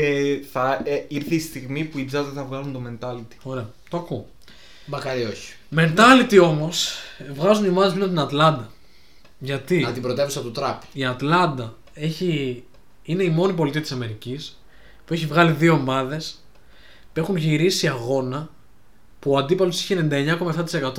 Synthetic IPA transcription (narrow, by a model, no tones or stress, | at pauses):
eθɐiɾθist̪iɣmipuibzɐzðeθɐvɣɐlunt̪ome̞nt̪ɐlit̪i̥o̞ɾe̞ɐ | t̪oɐku | mɐkɐɾioçi̥ | me̞nt̪ɐlit̪io̞mo̞svɣɐzunio̞mɐðmliont̪inɐt̪lɐnd̪ɐ | ʝɐt̪iɐt̪ibɾot̪evusɐt̪ut̪ɾɐpiɐt̪lɐnd̪ɐ | eçi | ine̞imo̞nip̬o̞lit̪iɐt̪isɐme̞ɾicis | pue̞çivɣɐliðio̞ːmɐðe̞s | pue̞xunʝiɾisiɐɣo̞nɐ | puɐnd̪ipɐlosi̥çenenid̪ɐeɲɐko̞mɐeft̪ɐt̪ise̞kɐt̪o